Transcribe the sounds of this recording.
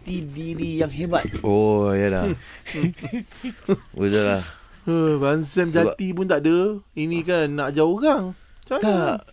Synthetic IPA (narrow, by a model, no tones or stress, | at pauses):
t̪idiɾijaŋɦebat̪̚ojala̰ | bət̪əlah | əbansɛmd͡ʒat̪ipunt̪aʔdəinĩkanːãʔd͡ʒaoɣaŋ | t͡ʃat̪a